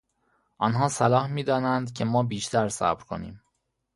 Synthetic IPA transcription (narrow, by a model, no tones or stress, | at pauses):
ʔɒnɦɒːsælɒːhmiːd̪ɒːnænd̪cʰe̞mɒːbiːʃt̪ʰæɾsæ̰bɾkʰo̞̰nḭːm